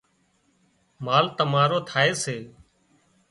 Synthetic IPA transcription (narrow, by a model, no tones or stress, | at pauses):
maːlt̪əmaːɾoːt̪ʰaːeːseː